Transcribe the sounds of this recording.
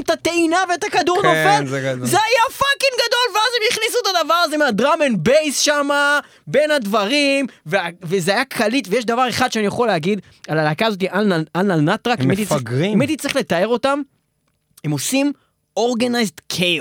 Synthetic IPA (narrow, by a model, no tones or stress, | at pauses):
tat̪einaveet̪akad̪uʁnofezeajafakiŋɡad̪o̞lveazemjiχnis̬uet̪ad̪avaʁazemead̪ʁamenbejsʃama | be̞nhad̪vaʁimveavezeajakʰalit̪vejeʃ̬d̪avaʁe̞χad̪ʃeanijaχo̞leaɡid̪ | alalakaːzo̞t̬iʔalalnalnat̪ʁakemet̪iemet̪it̪t͡sʁiχle̞t̪ae̞ʁo̞t̪am | emosim | oʁɡanajzd̪kʰe